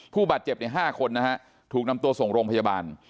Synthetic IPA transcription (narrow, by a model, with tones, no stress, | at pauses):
pʰuː˥˩baː˨˩t̪̚t͡ɕe˨˩p̚na˦˥˩ɦaː˥˩kʰo˧nːa˦˥kʰa˦˥ʔ | t̪ʰuː˨˩k̚na˧mt̪u˧ɐso˨˩ŋɾoː˧ŋpʰa˧jaː˧baː˧n